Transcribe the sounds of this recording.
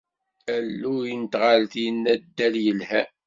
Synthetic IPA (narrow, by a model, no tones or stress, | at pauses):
ælːuənt̪ʁalθinːæd̪ːæljəlhæ